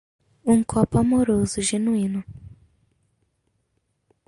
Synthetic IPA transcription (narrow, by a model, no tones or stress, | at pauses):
uŋkʰɔpamoɾozuʒenwinu